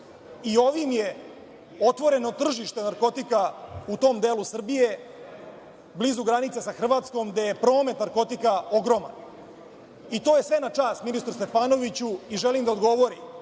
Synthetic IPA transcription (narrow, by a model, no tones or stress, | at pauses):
io̞ʋimje̞ | o̞t̪ʋo̞ɾe̞no̞t̪r̩ʒiʃt̪e̞naɾko̞t̪ikaut̪o̞ːmd̪eːlusr̩bije̞ | blizuɡɾanit̪sesaxr̩ʋaːt̪sko̞md̪ejepɾo̞ːme̞t̪naɾko̞t̪ikao̞ɡɾo̞ma̰n | it̪o̞ːje̞sʋe̞nat͡ʃaːst̪minist̪ɾust̪e̞paːno̞ʋit͡ɕuiʒelimd̪aod̪ɡo̞ʋo̞ɾim